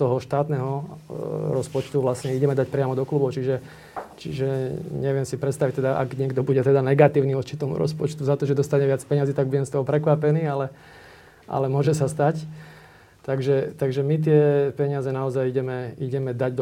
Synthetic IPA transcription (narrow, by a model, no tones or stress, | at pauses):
t̪ɔɦɔʃt̪aːt̪nɛɦɔ | ɾɔspɔt͡ʃt̪uʋlasɲɛiɟɛmɛd̪acpɾɪamɔd̪ɔkluːbɔʊt͡ʃiʒɛ | t͡ʃiʒɛɲɛʋɪɛmsipɾɛt̪st̪aʋic̚t̪ɛd̪aʔa̰ɡɲɪɛɡd̪ɔbuɟɛt̪ɛd̪anɛɡat̪iːʊniːɔɾt͡ʃit̪ɔmṵɾɔ̰spɔt͡ʃt̪uzat̪ɔʒɛd̪ɔst̪aɲɛʋɪat͡spɛɲɪaziːt̪aɡ̚buɟɛmst̪ɔɦɔpɾɛkʋapɛniːalɛ | ʔa̰lɛmʊɔʒɛsast̪ac | t̪aɡʒɛt̪aɡʒɛmit̪̬ɪɛpɛɲɪazɛnaɔzajiɟɛmɛiɟɛmɛd̪aɟd̪